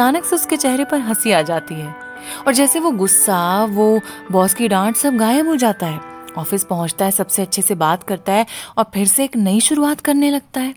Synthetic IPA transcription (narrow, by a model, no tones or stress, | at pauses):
aːnəkseʊsket͡ʃɛɦɾepɐɾɦɐsiaːd͡ʒaːt̪iɦɛː | ɔːɾd͡ʒɛːseʋoɡʊsːaʋoːbɔːskiɖãːʈsɐb̚ɡaːjəbɦod͡ʒaːt̪aɦɛːɔːfɪspɐɦʊ̃t͡ʃt̪aɦɛsɐbseɐtːʃʰesebaːt̪kɐɾt̪aɦɛɔːɾpʰɪɾseːknɐiʃʊɾuaːt̪kɐɾnelɐɡ̚t̪aɦɛː